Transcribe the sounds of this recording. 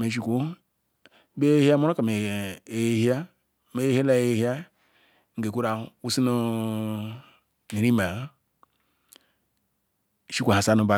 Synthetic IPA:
me˨ʃ̬i˨ku˦ | be˦hi˦a˦mo˦ɾo˦ka˨me˨e˨˦hi˦a˦ | me˦he˦la˦e˦hi˦a˦ | ŋ̩˨ɡe˨ku˦ɾa˨u˦si˦nu˦ | ni˨ɾi˦ma˨˦˨ | ʃi˦kʷu˨a˨sa˦nu˨ba˨

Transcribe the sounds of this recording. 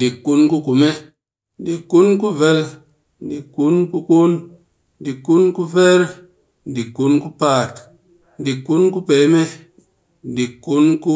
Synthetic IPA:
di˨kːu˦nku˦ku˨me˦ | n˦di˨kːu˦nku˦ve˧l | n˨di˨kːu˦nku˧ku˦n˦ | di˨kːu˦nku˦ve˦ɾ | n˨di˨kːu˦nku˦paː˦˨t | n̩˦di˨kːu˦nku˦pe˨˦me˦ | n̩˨di˨kːu˦nku˦

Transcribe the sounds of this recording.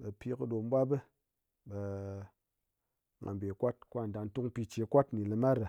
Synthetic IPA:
ɓe˨pi˧kɨ˧ɗo˨m˦bʷa˦bə˦ | be˧ | ŋa̰˨mbe˨kʷa˦t̚kʷa˦˨da˨n˦tu˦ŋ˦pi˧t͡ʃe˨kʷa˦tni˨lɨ˧ma˦ɾɨ˨

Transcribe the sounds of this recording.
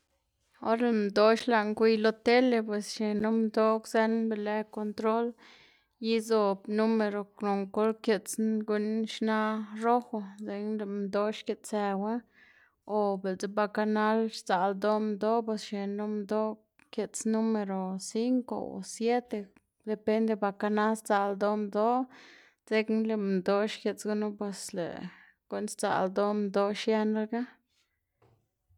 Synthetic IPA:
o˦ɾle˨md̪o˦ʃla˨ŋkʷi˧jlo˦t̪e˦le˧pwe˨sʃe˨nu˦md̪o˦kze˦nbe˨le˧ko˧nt̪ɾo˦l | ji˦zo˨bnu˦me˧ɾo˨no˨ŋko˦lkje˨t͡sɡu˦nʃna˦ɾo˦xo˧ze˧nle˨md̪o˦ʃke˨t̪t͡se˨we˦ | o˨be˨lt͡se˦ba˧ka˧na˦lɾt͡sa˨ld̪o˦md̪o˦p̬we˧sʃe˨nu˦md̪o˦ | kje˨t͡snu˦me˧ɾo˨si˦ŋko̰˨o̰˨sje˦t̪e˧ | d̪e˨pe˦nd̪e˧ba˧˨ka˧na˦lst͡sa˨ld̪o˦md̪o˦ | d͡ze˦knle˨md̪o˦ʃkʲje˨t͡sɡu˦no˦pwe˧slḛ˨ | ɡ̥o˦nst͡sa̰˨ld̪o˦md̪o˦ʃje˧na˧˦lɡa˦

